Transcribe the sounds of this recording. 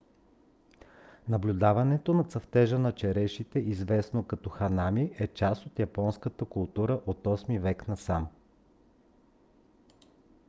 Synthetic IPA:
nɐblʲud̪avɐnɛt̪onɐt̪sɐft̪ɛʒənɐt͡ʃɛɾɛʃit̪ɛʔizvɛsnokɐt̪ɔxɐnamiʔɛt͡ʃast̪ot̪jɐpɔnskət̪əkʊlˠt̪uɾəʔot̪ɔsmivɛknɐsam

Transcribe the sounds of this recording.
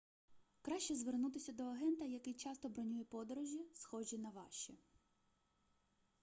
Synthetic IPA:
kɾɑʃʲt͡ʃɛzʋernut̪ɪsʲɐd̪ɔɐɦɛnt̪ɐjɐkɪjt͡ʃɑst̪ɔbɾɔnʲujɛpɔd̪ɔɾɔʒʲisxɔʒʲinɐʋɑʃt͡ʃi

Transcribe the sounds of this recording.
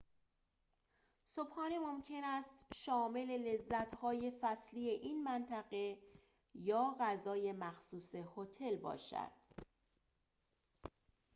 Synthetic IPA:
sobxɒːnimomcʰe̞næst̪ʃɒːme̞le̞le̞zːæt̪ʰhɒːje̞fæsliːe̞ʔiːnmænt̪ʰæɣe | jɒːɣæzɒːje̞mæxsuːse̞hot̪ʰe̞lbɒ̰ːʃæ̰d̪̥

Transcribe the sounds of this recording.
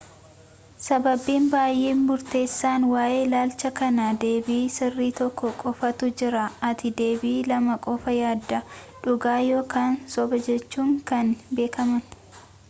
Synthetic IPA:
sɐbɐbːiːnbaːjʔeːnmʊɾt̪eːsːaːnwaːʔe̞ːlaːlt͡ʃɐkɐnɐd̪e̞ːbiːsɪrːiːt̪ɔkːɔkʼɔfɐt̪ʊd͡ʒɪɾɐɐt̪ɪd̪e̞ːbiːlɐmɐkʼɔfɐjaːd̪ːɐᶑʊɡaːjo̞ːkaːnsɔbɐd͡ʒɛt͡ʃːuːŋkɐnbe̞ːkɐmɐn

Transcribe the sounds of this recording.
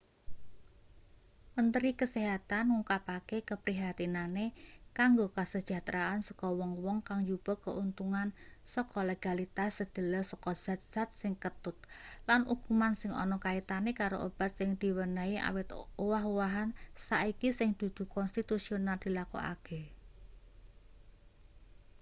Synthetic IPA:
mənt̪əɾikəseɦat̪anŋukapakekəpɾiɦat̪inanekaŋɡokəsəd̥ʒ̥a̤t̪ɾaansɔ̥kɔwɔŋwɔŋkaŋjub̥ɔkəʔunt̪uŋansɔkɔleɡ̥alit̪asːəd̪̥ə̤ləsɔkɔ̥z̥a̤t̪̚z̥a̤t̪̚sɪŋkət̪ʊt̪̚lanukumansɪŋɔ̰nɔkait̪anekaɾo̰ʔo̰b̥a̤t̪̚sɪŋd̪̥i̤wənəiʔa̰wɪt̪owaɦowaɦansaikisɪŋd̪̥ṳd̪̥ṳkɔnst̪it̪usionald̪̥ilako̰a̰kʰe

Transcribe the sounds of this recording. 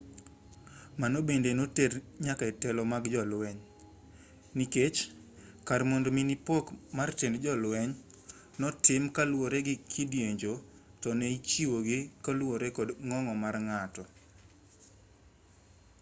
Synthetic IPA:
manobendenoterɲakaɛtɛlɔmaɡd͡ʒɔlwɛɲ | niket͡ʃ | kaɾmondominipokmartendd͡ʒɔlwɛɲ | nɔtɪmkalwoɾeɡɪkʰidjeɲd͡ʒotɔneit͡ʃiwoɡɪkalwoɾekɔdŋɔŋɔmarŋatɔ

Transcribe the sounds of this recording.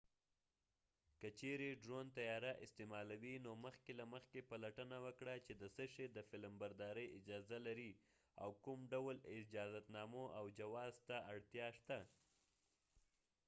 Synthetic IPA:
kət͡ʃeɾeɖɾont̪ajɑɾaʔɪ̰st̪emɑlawinoməxkelaməxkepalaʈənawəkɽat͡ʃed̪əsəʃed̪əfɪlmbaɾd̪ɑɾəjɪd͡ʒɑzalaɾi | a̰wkʊmɖawlɪd͡ʒɑzat̪nɑmoʔawd͡ʒawɑzt̪aaɽt̪jɑʃt̪a

